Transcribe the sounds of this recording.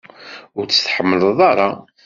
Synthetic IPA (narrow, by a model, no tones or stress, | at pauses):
ʊɾt͡sːə̥θħəmːələðˤɑɾˤɑ